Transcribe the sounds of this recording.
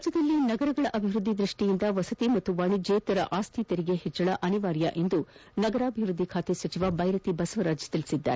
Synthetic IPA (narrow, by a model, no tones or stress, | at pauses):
d͡ʒɐd̪ɐlːinɐɡɐɾɐɡɐɭɐʔɐbʱiʋɾud̪ʱːid̪ɾiʂʈijind̪ɐʋɐsɐt̪imɐt̪ːuʋɐɳid͡ʒeːt̪ɐɾɐʔaːst̪ʰit̪eɾiɡehɛt͡ʃːɐɭɐʔɐniʋaːɾjɐ̰ʔe̞nd̪unɐɡɐɾaːbʱiʋɾud̪ʱːikʰaːt̪esʋɐt͡ʃiʋɐbʱɐjɾɐt̪ibɐsɐʋɐɾaːd͡ʒɐ̥t̪ilisid̪ːa̰ːɾe